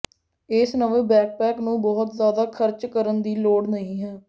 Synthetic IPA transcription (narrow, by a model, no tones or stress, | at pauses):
ɪsnəʋeːbɛːk̚pɛːknũːbɔːʊt̪zjaːd̪aːkʰəɾt͡ʃkəɾənd̪iːloːɽnəĩːɦɛː